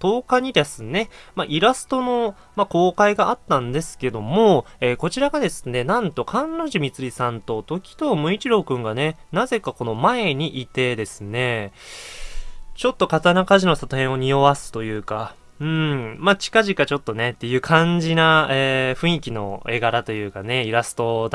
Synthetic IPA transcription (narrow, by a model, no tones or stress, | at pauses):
t̪o̞ːkaɲ̟id̪e̞sɨne̞maʔiɾasɨ̥t̪o̞no̞ | mako̞ːkaiɡaʔat̪ːãnd̪e̞sɨ̥ke̞d̪o̞mo̞eːko̞t͡ɕiɾaɡad̪e̞sɨne̞nãnt̪o̞kʰãnɾo̞ʑimʲit͡sɨɾʲisãnt̪o̞t̪o̞kʲi̥t̪o̞ːmɯ̟it͡ɕiɾo̞ːkɯ̟̃ŋɡane̞naze̞kako̞no̞mae̞ɲ̟iʔit̪e̞d̪e̞sɨne̞ | t͡ɕo̞t̪ːo̞kat̪anakaʑino̞sat̪ohẽ̞o̞ɲ̟io̞βasɨ̥t̪o̞jɯ̟ːka | ɯ̟̃mat͡ɕi̥kaʑikat͡ɕo̞t̪ːo̞ne̞t̪ːe̞jɯ̟ːkʰãɲ̟d͡ʑinaeːɸɯ̟̃ɰ̃ikʲino̞̰e̞ɡaɾat̪o̞jɯ̟ːkane̞iɾasɨ̥t̪o̞d̪